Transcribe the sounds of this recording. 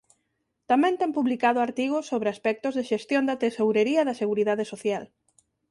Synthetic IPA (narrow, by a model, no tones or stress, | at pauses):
t̪amɛ̃nt̪ɛmpuβlikað̞ʊaɾt̪iɣʊsːoβɾeaspɛk̚t̪ʊzðɪʃest̪jond̪ɐt̪esowɾeɾiɐðɐseɣuɾiðaðesoθjal